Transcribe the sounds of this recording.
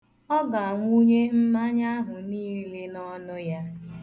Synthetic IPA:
ɔ˦ɡa˨a˨ŋʷu˦ɲe˦m̩˦ma˦ɲa˦a˦ɦʊ˨niː˦le˦nɔ˦nʊ˦ja˦

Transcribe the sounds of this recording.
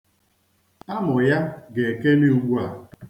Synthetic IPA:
a˦mʊ˨ja˦ɡe˨ke˦ni˦u˨ɡ͡bu˦a˨

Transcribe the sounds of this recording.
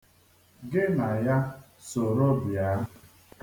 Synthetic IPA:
ɡɪ˦na˨ja˦ | so˨ɾo˦bja˨˦

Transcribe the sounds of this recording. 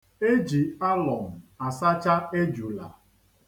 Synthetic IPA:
e˦d͡ʒi˨a˦lɔ˨m̩˨a˨sa˦t͡ʃa˦e˦d͡ʒu˨la̰˨

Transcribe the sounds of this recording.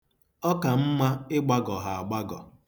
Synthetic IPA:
ɔ˦ka˨m̩˦ma˦ɪ˦ɡ͡ba˦ɡɔ˨ɦa˨a˨ɡ͡ba˦ɡɔ̰˨

